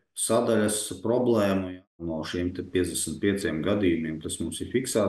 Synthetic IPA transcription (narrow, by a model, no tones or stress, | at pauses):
sad̪alʲaspɾɔblˠɛːmujanɔʃimt̪ɛpʲiɛd̪d̪ʲɛsnt̪̚pʲiɛt̪siɛmɡad̪ʲijumʲiɛmt̪asmumsifʲiksaː